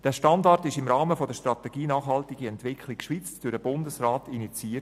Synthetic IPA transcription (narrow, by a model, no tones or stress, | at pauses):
d̥æːʃtɑndɑrtɪʃɪmrɑːməfodəʃtrɑt̪ɛɡ̥iːnɑːχhɑltɪɡiɛntʋɪkʰlɪkʃʋiːt͡sd̥øɾdəbʊndəsraːtinit͡siːət